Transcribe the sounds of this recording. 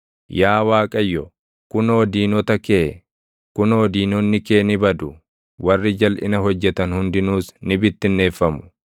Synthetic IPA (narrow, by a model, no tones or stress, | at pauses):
jaːwaːkʼɐjːɔ | kʊnɐːd̪iːnɔt̪ɐkeː | kʊnɐːd̪iːnɔnːɪkeːnɪbɐd̪ʊ | wɐrːɪd͡ʒɐlʔɪ̰nɐɦɔd͡ʒːɛt̪ɐnhʊnd̪ɪnuːsnɪbɪt̪ːɪnːe̞ːfːɐmʊ̥